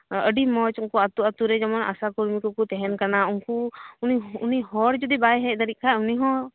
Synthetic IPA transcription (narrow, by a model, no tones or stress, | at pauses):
əɖimɔt͡ʃuŋkuat̪uat̪uɾɛd͡ʒɔmɔna̰sakuɾmikukut̪ɛɦɛnkanaunkuuniuniɦɔɾd͡ʒud̪ibajɦɛt̪aɾit̪̚ˀkʰauniɦɔ̃